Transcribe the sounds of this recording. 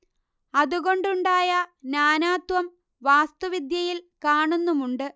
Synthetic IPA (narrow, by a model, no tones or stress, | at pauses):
ɐðuɣo̞ɳɖuɳɖaːjɐnaːnaːt̪ʋɐm | ʋaːst̪uʋid̪jɐjilkaːɳunːumuɳɖɨ